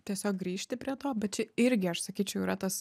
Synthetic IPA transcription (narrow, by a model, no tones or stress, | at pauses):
t̪ʲiɛsʲoːk̚ɡɾʲiːʃʲt̪ʲɪpʲɾʲiɛt̪oːbʲɛt̪̚t͡ʃʲɪɪɾʲɡʲɪɐʃsɐkʲiːt͡ʃʲɛʊiːɾɐt̪ɐs